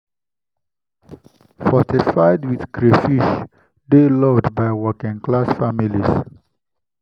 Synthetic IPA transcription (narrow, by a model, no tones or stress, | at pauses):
fɔtifaɪdwiðkɹefiʃ | delɔdbajwɔkĩŋklasfamilis